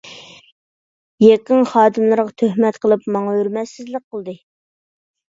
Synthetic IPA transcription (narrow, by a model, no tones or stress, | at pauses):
jeqənχɑːd̪ɨmlˠɨɾʁɑt̪ʰøhmɛt̪qʰəlˠɨpmɑŋɑøɾmɛsɪzlɪk̚qʰəlˠd̪ɨ